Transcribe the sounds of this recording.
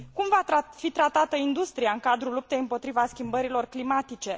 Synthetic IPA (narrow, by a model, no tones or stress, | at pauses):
kumvaafit̪ɾat̪at̪əind̪ust̪ɾiaɨŋkad̪ɾulup̚t̪ejɨmpo̞t̪ɾivaskʲimbəɾilo̞rklimat̪it͡ʃe̞